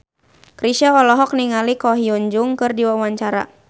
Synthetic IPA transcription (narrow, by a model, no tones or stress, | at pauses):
kɾiʃaɔlɔɦɔk̚niŋalikɔɦiuɲd͡ʒʊŋkɨrdiwawaɲt͡ʃaɾa̰